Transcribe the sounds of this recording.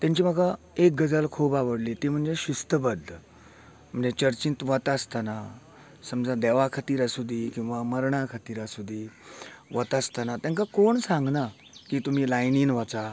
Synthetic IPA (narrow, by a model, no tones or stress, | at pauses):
t̪jãɲt͡ɕiːm̤əɡa | ek̚ɡəd͡zalkʰuːbaʋəɽlit̪im̤əɳd͡zeɕust̪əbəd̪ʱːə | m̤əɳd͡zet͡ɕəɾt͡ɕint̪ʋət̪ast̪ana | səmd͡zad̪ɛʋakʰat̪iːɾasud̪ʱikĩw̃ʋaməɾɳakʰat̪iːɾasud̪ʱiʋət̪ast̪anat̪jãŋkakoɳsãŋɡna | kiːt̪um̤iːlajniːnʋat͡sa